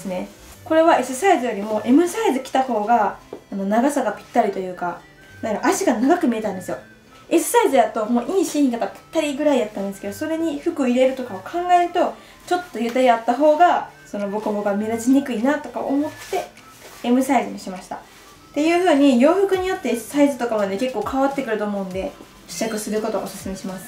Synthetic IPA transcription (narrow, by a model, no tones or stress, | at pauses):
d̪esɨne̞ | ko̞ɾe̞βae̞sɨsaizɨjo̞ɾʲimo̞ːʔe̞mɯ̟saizɨkʲi̥t̪aho̞ːɡaːno̞naɡasaɡapʲi̥t̪ːaɾʲit̪o̞jɯ̟ːka | naɾaʔaɕiɡanaɡakɯ̟mʲie̞t̪ãnd̪e̞sɨjo̞ | e̞sɨ̥saizɨj̪at̪o̞mo̞ːʔiːɕiĩt̪okapʲi̥t̪ːaɾʲiɡɯ̟ɾaijat̪ːãnd̪esɨ̥ke̞d̪oso̞ɾe̞ɲ̟iɸɯ̟kɯ̟oiɾe̞ɾɯ̟t̪o̞kaokʰãŋɡae̞ɾɯ̟t̪o̞ | t͡ɕo̞t̪ːo̞jɯ̟t̪aɾʲiat̪ːaɦo̞ːɡaso̞no̞bo̞kɯboɡameɾat͡ɕiɲ̟ikɯ̟inat̪o̞ka̰omo̞t̪ːe̞ | emɯ̟saizɨɲ̟iɕimaɕi̥t̪a | t̪e̞jɯ̟ːɸɯ̟ːɲ̟ijo̞ːɸɯ̟kɯɲ̟ijo̞t̪ːe̞ːsɨ̥saizɨt̪o̞kaβane̞ke̞kːo̞ːkʰaβat̪ːe̞kɯ̟ɾɯ̟t̪o̞ːmo̞ɯ̃nd̪e̞ | ɕi̥t͡ɕakɯ̟sɨɾɯ̟ko̞t̪o̞̰osɨ̥sɨme̞ɕimasɨ̥